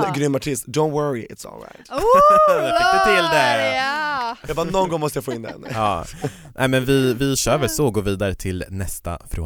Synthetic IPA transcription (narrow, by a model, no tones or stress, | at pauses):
ɡɾʏmːaʈʰɪst̪d̪õʊnt̪wəɹiɪ̰t̪sɔ̰lˠɹa̰ɪt̪ | t̪ʰɪld̪æɾ | abɑːnɔnɡɔŋmɔst̪əjafoːɪnd̪ɛ̰nɑː | nʔɛ̰ɪmɛnvɪvɪɕœːɾvɛlsɔɡoːɾviːd̪aɾət̪ʰɪlnɛst̪a̰fɾo̰ː